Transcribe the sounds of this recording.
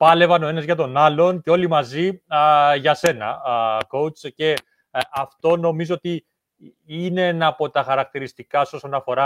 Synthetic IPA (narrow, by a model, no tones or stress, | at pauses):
pɐle̞vɐno̞e̞nɐzʝɐt̪o̞nɐlo̞nceo̞limɐzi | ʝɐse̞nɐ̰ko̞ut͡sce̞ | ɐft̪o̞no̞mizoot̪i | ineenɐpo̞t̪ɐxɐɾɐk̚t̪iɾist̪ikɐso̞sonɐfo̞ɾɐ